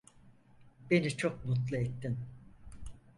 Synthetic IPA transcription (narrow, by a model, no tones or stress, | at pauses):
be̞nit͡ʃʰok̚mut̪lˠɯet̪ːin